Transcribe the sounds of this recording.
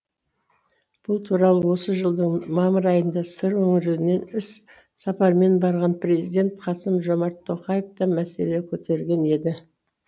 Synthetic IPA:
b̥ʊlˠt̪ʰuɾɑlˠəwo̞səʒəlˠd̪əɴmɑməɾɑjənd̪ɑsəɾwɵŋɪɾeɪne̞nɪs | sɑpɑɾme̞nbɑɾʁɑnprʲe̞zid̪ʲe̞nt̪qʰɑsəmʒo̞mɑɾt̪ʰːo̞qɑjeft̪ɑmæse̞le̞kʲʰɵt̪e̞ɾɡʲe̞ne̞d̪ɪ

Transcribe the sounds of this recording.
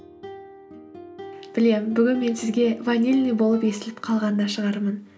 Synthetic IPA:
b̥ɪle̞mbʏɡʲɪnme̞nsɪzɡʲe̞vanʲːilʲnibo̞lˠəpe̞sɪlɪp̚qʰɑlˠʁɑnənɑʃəʁɑɾmən

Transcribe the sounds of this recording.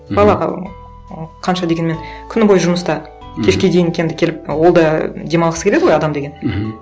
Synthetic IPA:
bɑlˠɑʁɑ̰ | qʰɑnʃɑd̪e̞ɡʲenme̞nkʲʰʏnbo̞jʒʊməst̪ɑ | kʲʰe̞ʃkʲe̞d̪ejɪŋkʲʰend̪ɪkʲʰe̞lɪp̚wo̞lˠd̪ɑd̪e̞mɑlˠʁəsə̥k̪ʲʰeɪʁojɑd̪ɑmd̪e̞ɡʲe̞n

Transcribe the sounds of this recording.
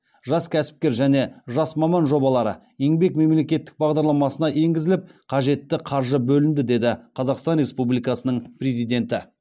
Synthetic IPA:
ʒɑskʲʰæsɪ̥p̚kʲe̞ɾʒæne̞ʒɑsmɑmɑnʒo̞bɑlˠɑɾə̰ | e̞ŋbe̞kme̞mle̞kʲe̞t̪ːɪk̚bɑʁd̪ɑɾlˠɑmɑsənɑʔe̞ŋɡʲɪzɪlɪp̚qʰɑʒe̞t̪ːɪqʰɑɾʒəbɵlɪnd̪ɪd̪e̞d̪ɪqʰɑzɑqst̪ɑnrʲe̞spublijkɑsənəɴprʲe̞zijd̪e̞nt̪ɪ

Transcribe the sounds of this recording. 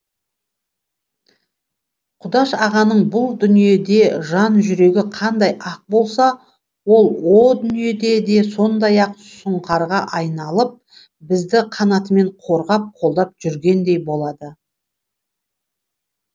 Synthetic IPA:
qʰʊd̪ɑʃɑʁɑnəɴbʊlˠd̪ʏnije̞d̪e̞ʒɑnʒʏɾe̞ɡʲɪqʰɑnd̪ɑjɑq̚bo̞lˠsɑ | wo̞lˠwo̞d̪ʏnije̞d̪e̞d̪e̞so̞nd̪ɑjɑq | sʊɴqʰɑɾʁɑʔɑjnɑlˠəp̚ | bɪzd̪ɪqʰɑnɑt̪əme̞ɴqʰo̞ɾʁɑp̚qʰo̞lˠd̪ɑp̚ʒ̥ʏɾɡʲe̞nd̪e̞jbo̞lˠɑd̪ə

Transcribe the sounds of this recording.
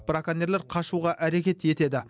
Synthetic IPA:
b̥ɾakaneɾlʲeɾqʰɑʃuʁɑʔæɾe̞kʲe̞t̪e̞t̪e̞d̪ɪ

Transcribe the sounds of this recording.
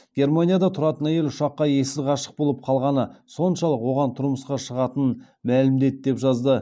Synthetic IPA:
ɡ̥ʲe̞ɾmanʲijad̪ɑt̪ʰʊɾɑt̪ənæje̞lʲʊʃɑqːɑje̞sɪzʁɑʃə̥q̚bo̞lˠəp̚qʰɑlˠʁɑnəso̞nʃɑlˠəqwo̞ʁɑnt̪ʰʊɾməsqɑʃəʁɑt̪ən | mælɪmd̪e̞t̪d̪e̞pʒɑzd̪ə

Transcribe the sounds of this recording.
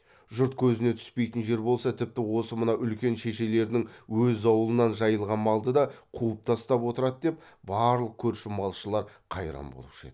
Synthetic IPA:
ʒʊɾt̪̚kʲʰɵzɪne̞t̪ʰʏ̥spe̞jt̪ɪnʒe̞ɾbo̞lˠsɑt̪ʰɪp̚t̪ɪwo̞səmənɑʔʏlkʲe̞nʃe̞ʃe̞le̞ɾd̪ɪŋwɵzɑwəlˠənɑnʒɑjəlˠʁɑnmɑlˠd̪əd̪ɑqʰuəp̚t̪ʰɑst̪ɑpwo̞t̪əɾɑt̪d̪e̞p | bɑɾlˠəq̚kʲʰɵɾʃɪmɑlˠʃəlˠɑɾqʰɑjɾɑ̰mbo̞̰lˠəpʃḛd̪ɪ

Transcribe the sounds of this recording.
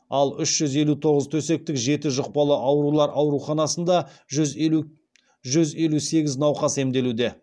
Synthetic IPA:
ɑlˠʏʃʒ̥ʏze̞lut̪ʰo̞ʁəzt̪ʰɵse̞k̚t̪ɪkʒe̞t̪ɪʒʊq̚pɑlˠəʔɑwɾulˠɑɾʔɑwɾuχɑnɑsənd̪ɑʒ | ʒʏze̞luse̞ɡʲɪznɑwqɑse̞md̪e̞lud̪e̞

